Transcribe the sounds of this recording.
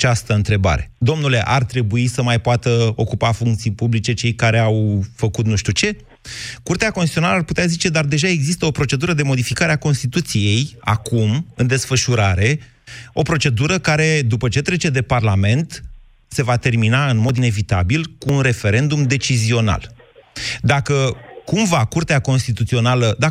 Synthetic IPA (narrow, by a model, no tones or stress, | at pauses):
t͡ʃast̪əɨnt̪ɾe̞ba̰ɾe̞d̪o̞mnule̞ʔart̪ɾe̞buisəmajpoat̪əo̞kupafuŋkt̪sijpublit͡ʃe̞t͡ʃe̞jkaɾe̞awfəkut̪nuʃt̪ʲut͡ʃe̞ | kurt̪eako̞nst̪iionaləarput̪eazit͡ʃe̞d̪ard̪e̞ʒae̞ɡzist̪əo̞pɾo̞t͡ʃe̞d̪uɾəd̪e̞mo̞d̪ifikaɾeako̞nst̪it̪ut̪sije̞ja̰kumɨnd̪e̞sfəʃuɾaɾe̞ | o̞pɾo̞t͡ʃe̞d̪uɾəkaɾe̞d̪upət͡ʃe̞t̪ɾe̞t͡ʃe̞d̪e̞parlame̞nt̪ | se̞vat̪e̞rminaɨnmo̞d̪ine̞vit̪a̰bilkuːnre̞fe̞ɾe̞nd̪umd̪e̞t͡ʃizio̞na̰l | d̪akəkumvakurt̪eako̞nst̪it̪ut̪sio̞naləd̪a